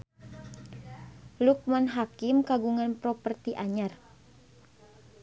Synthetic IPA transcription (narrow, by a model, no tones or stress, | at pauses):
luk̚manɦakimkaɡuŋanpɾɔpərt̪iʔaɲar